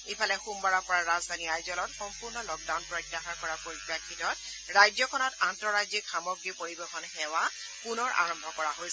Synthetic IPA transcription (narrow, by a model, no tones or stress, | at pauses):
epʰalɛxumbaɹɔɹpɔɹaɹazdʱaniajzɔlɔtxɔmpuɹnɔlɔɡ̚dawnpɹɔjtːaxaɹkɔɹapoɹipakʰːitɔt | ɹajzɔkʰɔnɔtantɹɔɹajzikxamɔɡɹipoɹibexɔnxɛwa | punɔɹa̰ɹɔmbʱɔkɔɹaɦojs